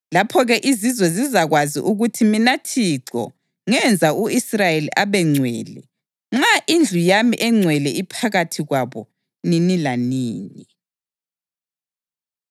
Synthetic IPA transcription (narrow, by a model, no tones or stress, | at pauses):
lapʰɔɣɛʔizizwɛzizaɣwazḭʔuɣutʰiminatʰiǀɔ̰ | ŋɛnd͡zʱauisrajeliʔaβɛŋ͡ǀʱwɛ̰ːlɛ̰ | ŋ͡ǁaʔind͡ɮʱujamiʔɛŋ͡ǀʱwɛlɛʔipʰaɣatʰiɣwaβɔ̰ | ninilaniːni